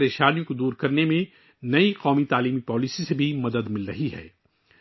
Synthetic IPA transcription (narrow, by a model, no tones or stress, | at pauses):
ɾeːʃaːnijõkod̪uːɾkɐɾnemẽ | nɐiqɔːmit̪aːliːmipɔːlisisebʱimɐd̪əd̪mɪlɾɐɦiɦɛ̰ː